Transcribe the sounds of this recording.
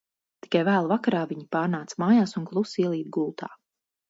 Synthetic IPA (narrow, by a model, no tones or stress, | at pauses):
t̪i̥kajvæːlˠvakaɾaːviɲipaːɾnaːt̪smaːjaːsuŋklˠusiɛlˠiːt̪̚ɡulˠt̪a̰ː